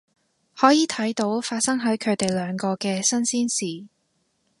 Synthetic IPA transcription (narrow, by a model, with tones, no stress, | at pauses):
hɔː˨˥jiː˨˧t̪ʰɐ˨˥jt̪o˨˥wfaː˧t̚sɐ˥ŋɦɐ˨˥jkʰɵ˨˧ɥt̪e˨jlœː˨˧ŋkɔː˧kɛː˧sɐ˥nsiː˥nsiː˨˩